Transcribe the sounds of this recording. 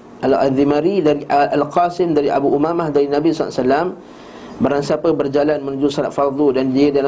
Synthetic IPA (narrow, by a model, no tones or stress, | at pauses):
ʔala̰ðimãɾidaɾialqasɪmdaɾiʔa̰buʔumamahdaɾinabisɔla̰salam | baɾaŋsapəbərd͡ʒalanmə̃nũd͡ʒusɔla̰t̪̚fɑrd̪udandiədala